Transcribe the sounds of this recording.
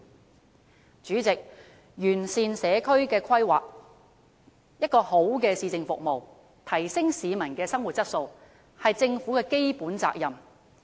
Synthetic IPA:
t͡ʃyː˨˥t͡sɪ˨k̚ | jyː˨˩nsiː˨nsɛː˨˧kʰɵ˥ɥkɛː˧kʰɐ˥jwa̰ː˨˩k̚ | jɐ˥t̚kɔː˧ho˨˥wkɛː˧siː˧t͡sɪ˨ŋfʊ˨k̚mo˨˩w | t̪ʰɐ˨˩jsɪ˥ŋsiː˨˧mɐ˨˩nkɛː˧sɐ˥ŋwu˨t̚t͡sɐ˥t̚so˧w | hɐ˨jt͡sɪ˧ŋfuː˨˥kɛː˧ke˥jpuː˨˥nt͡sa̰ː˧k̚jɐ˨m

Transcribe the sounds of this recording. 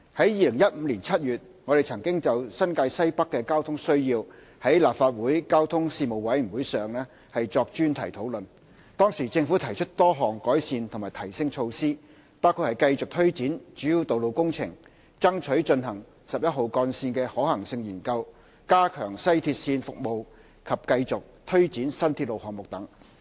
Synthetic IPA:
hɐ˨˥jiː˨lɪ˨˩ŋjɐ˥t̚m̩˨˧liː˨˩nt͡sʰɐ˥t̚jyː˨t̚ŋɔː˨˧ɾe˨jt͡sʰɐ˨˩ŋkɪ˥ŋt͡sɐ˨wsɐ˥nkaː˧jsɐ˥jpɐ˥kːɛː˧kaː˥wt̪ʰʊ˥ŋsɵ˥ɥjiː˧w | hɐ˨˥jlaː˨p̚faː˧t̚wuː˨˥jkaː˥wt̪ʰʊ˥ŋsiː˧mo˨˩wwɐ˨˥jmi˨˩wuː˨˥jsœː˨ŋlɛː˥ | hɐ˨jt͡sɔː˧k̚t͡ʃyː˥nt̪ʰɐ˨˩jt̪ʰo˨˥wlɵ˨n | t̪ɔː˥ŋsiː˨˩t͡sɪ˧ŋfuː˨˥t̪ʰɐ˨˩jt͡ʃʰɵ˥t̚t̪ɔː˥ɦɔː˨˩ŋkɔː˨˥jsiː˨˧nt̪ʰʊ˨ŋmaː˨˩jt̪ʰɐ˨˩jsɪ˥ŋt͡ʃʰo˧wsiː˥ | paː˥wkʰu˧hɐ˨˩jkɐ˧jt͡sʊ˨k̚t̪ʰɵ˥ɥt͡siː˨˥nt͡ʃyː˨˥ji˧wt̪o˨wlo˨wkʊ˥ŋt͡sʰɪ˨˩ŋ | t͡sɐ˥ŋt͡ʃʰɵ˨˥ɥt͡ʃɵ˧nɦɐ˨˩ŋ | sɐ˨p̚jɐ˥t̚ɦo˨wkɔː˧nsiː˧nkɛː˧hɔː˨˥hɐ˨˩ŋsɪ˧ŋjiː˨˩nkɐ˧w | kaː˥kʰœː˨˩ŋsɐ˥jt̪ʰiː˧t̚siː˧nfʊ˨k̚mo˨w | kʰɐ˨p̚kɐ˧jt͡sʊ˨k̚t̪ʰɵ˥ɥt͡siː˨˥nsɐ˥nt̪ʰi˧t̚lo˨whɔː˨ŋmʊ˨k̚t̪ɐ˨˥ŋ

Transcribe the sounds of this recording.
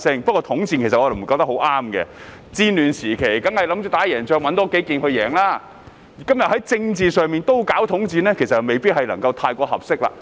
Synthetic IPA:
sɪ˥ŋpɐ˥t̚kɔː˧t̪ʰʊ˨˥ŋt͡siː˧nke˨˩sɐ˨ʔɔ˧d̪ɪ˨˩m̩˨˩ka˧wt̪ɐ˥kho˨˥wʔaː˥mkɛ̰˧ | t͡siː˧nlyː˨˩nsiː˨˩kʰe˨˩jkɐ˨˥ŋhɐ˨jlɐ˨˥mt͡ʃyː˨˧t̪aː˨˥jɛː˨˩ŋt͡ʃœː˧ŋwɐ˨˥nt̪ɔː˥ke˨˥kiː˨nhɵ˧ɥjɛː˨˩ŋlaː˥˩˨ | kɐ˥mjɐ˨t̚hjt͡sɪ˧ŋt͡siː˨˧sœː˨˧ŋmiː˨nt̪o˥wkaː˨˥wt̪ʰʊ˨˥ŋt͡siː˨˧nlɛː˥kʰs̬ɐ˨me˨jpiː˥t̚hɐ˨jlɐ̰˨˩ŋkɐ˧wt̪ʰaː˧jkʷɔː˧hɐ̰˨p̚sɪ˥k̚la̰ː˧

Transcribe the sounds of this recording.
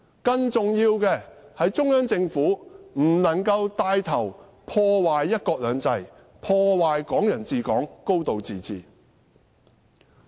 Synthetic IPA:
kɐ˧ŋt͡sʊ˨ŋjiː˧wkɛː˧hɐ˨˧jt͡sʊ˥ŋjœː˥ŋt͡sɪ˧ŋfuː˨˥m̩˨˩nɐ˨˩ŋkɐ˧wt̪aː˧jt̪ʰɐ˨˩w | pʰɔː˧waː˨jːɐ˥t̚kɔː˧k̚lœː˨˧ŋt͡sɐ˧j | pʰɔː˧waː˨jkɔː˨˥ŋjɐ˨˩nt͡siː˨˧kɔː˨˥ŋko˥wt̪o˨˧wt͡siː˨˩t͡sʰḭː˨˩

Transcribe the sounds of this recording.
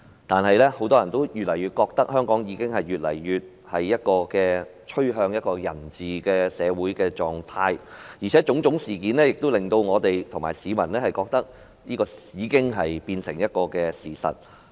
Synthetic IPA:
t̪aː˨nhɐ˨jlɛ˥ho˨˥wt̪ɔː˥jɐ˨˩nt̪o˥wjyː˨t̚lɐ˨˩jɥyː˧t̚kɔː˧k̚t̪ɐ˥k̚hœː˥ŋkɔː˨˥ŋjiː˨˧˥kɪ˥ŋhɐ˨jyː˨t̚lɐ̰˨˩jjyː˨t̚ | hɐ˨jːɐ˥t̚kɔː˧kɛː˧t͡ʃʰɵ˥ɥɦœː˧ŋjɐ˥t̚kɔː˧jɐ̰˨˩nt͡siː˨kɛː˧sɛː˨˧wuː˨˥jkɛː˧t͡ʃɔː˨˩ŋt̪ʰaː˧jjiː˨˩t͡ʃʰɛː˨˥t͡ʃʊ˨˥ŋt͡ʃʊ˨˥ŋsiː˨˩kiː˨˥nlɛː˥jɪ˨k̚t̪o˥wlɪ˨ŋt̪o˧wŋɔː˨˧t̪e˨jt̪ʰʊ˨˩ŋma̰ː˨˩jsiː˨˧mɐ˨˩nlɛː˥hɐ˨jkɔː˧k̚t̪ɐ˥k̚ | niː˥kɔː˧jiː˨˧kɪ˥ŋɦɐ˨jpiː˧nsɪ˨˩ŋjɐ˥t̚kɔː˧kɛː˧siː˨˩sɐ̰˨t̚

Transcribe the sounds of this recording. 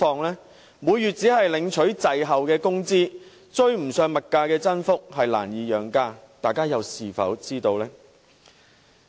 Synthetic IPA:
ɔː˨˧ŋlɛː˥ | muː˨˧jɥyː˨t̚t͡siː˨˥ɦɐ˨jlɪ˨˧˥ŋt͡ʃʰɵ˨˥ɥt͡sɐ˨jɦɐ˨wkɛː˧kʊ˥ŋt͡siː˥ | t͡ʃɵ˧˥ɥm̩˨˩sœː˨˧ŋmɐ˨t̚kaː˧kɛː˧t͡sɐ˥nfʊ˥k̚hɐ˨jla̰ː˨˩njiː˨˧jœː˨˩ŋkaː˧ | t̪aː˨jkaː˥jɐ˨˧wsiː˨fɐ̰˨˥wt͡siː˥t̪o˧wlɛː˥

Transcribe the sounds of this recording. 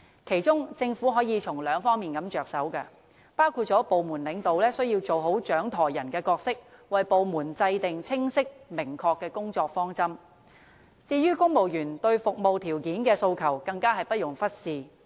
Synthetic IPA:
kʰe˨˩jt͡sʊ˥ŋt͡sɪ˧ŋfuː˨˥ɦɔː˨˥jiː˨˧t͡sʰʊ˨˩ŋlœː˨˧ŋfɔː˥ŋmiː˨nkɐ˨˥mt͡ʃœː˨k̚sɐ˨˥wkɛ˧ | paː˥wkʰu˧t̚t͡ʃɔː˨˥po˨wmuː˨˩nlɪ˨˥ŋt̪o˨wlɛː˥sɵ˥ɥjiː˧wt͡so˨wɦo˨˥wt͡ʃœː˨˥ŋt̪ʰɔː˨˩jjɐ˨˩nkɛː˧kɔː˧k̚sɪ˥k̚wɐ˨jpo˨wmuː˨˩nt͡sɐ˧jt̪ɪ˨ŋt͡sʰɪ˥ŋsɪ˥k̚mɪ˨˩ŋkʰɔː˧kːɛː˧kʊ˥ŋt͡ʃɔː˧k̚fɔː˥ŋt͡sɐ˥m | t͡siː˧jyː˥kʊ˥ŋmo˨˩wjyː˨˩nt̪ɵ˧ɥfʊ˨k̚mo˨wt̪ʰiː˨˩wkiː˨˥nkɛː˧so˧wkʰɐ˨˩wkɐ˧ŋkaː˥ɦɐ˨jpɐ˥t̚jʊ˨˩ŋfɐ˥t̚siː˧

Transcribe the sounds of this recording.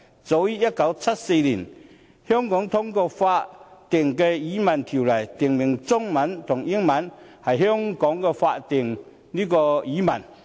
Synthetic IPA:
t͡so˨˧˦wji˥jɐ˥t̚ka˨˥wt͡sʰa˦˥t̚se˧jli˨˩n | hɔ˦˥ŋkɔ˨˥ŋt̪ʰʊ˥ŋkɔː˧fa˧tt̪ɪ˨˩ŋkɛ˧ji˨˥mɐ˨˩nt̪ʰi˨˩wla˨˩jt̪i˨˩ŋmi˨˩ŋt͡sʊ˥ŋmɐ˨˦˥nt̪ʰʊ˨˩ŋʔi˦˥ŋmɐ˨˦˥nhɐ˨˩jɦɔ˥˦˥ŋkɔ˨˥ŋkɛ˧fa˧t̪ɪ˨˩ŋ | li˦˥kɔ˧i˨˦˥mɐ˨˩n

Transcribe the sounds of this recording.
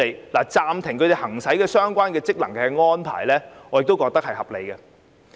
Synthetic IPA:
e˨˧jlaː˨˩t͡saː˧mt̪ʰɪ˨˩ŋkʰɵ˨˧t̪e˨˩hɐ˨˩ŋsɐ˨˥jkɛː˧sœː˥ŋkʷaː˥nkɛː˧t͡sɪ˥k̚lɐ˨˩ŋkɛː˧ŋɔː˥npʰa̰ː˨˩jlɛː˥ŋɔː˨jkt̪o˥wkɔː˧k̚t̪ɐ˥k̚hɐ˨jhɐ˨p̚lḛ˨˧jɡɛ˧

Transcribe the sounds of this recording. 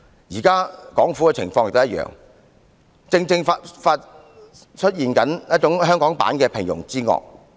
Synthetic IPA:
jiː˨˩kaː˥kɔː˨˥ŋfuː˨˥kɛː˧t͡sʰɪ˨˩ŋfɔː˧ŋjk̚t̪jɐ˥t̚jœ̰ː˨ŋ | t͡sɪ˧ŋt͡sɪ˧ŋfa˧tfaː˧t̚ | t͡ʃʰɵ˥t̚jiː˨nkɐ˨˥njɐ˥t̚t͡ʃʊ˨˥ŋɦœː˥ŋkɔː˨˥ŋpa̰ː˨˥nkɛː˧pʰɪ˨˩ŋjʊ̰˨˩ŋt͡siː˥ŋɔ̰ː˨k̚

